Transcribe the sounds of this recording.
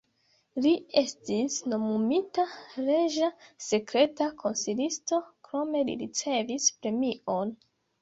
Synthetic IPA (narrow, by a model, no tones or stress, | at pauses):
lie̞stisno̞mumitaɾe̞ʒase̞kɾe̞takʰo̞nsilisto̞kɾo̞me̞lḭɾḭt͡se̞vispɾe̞mion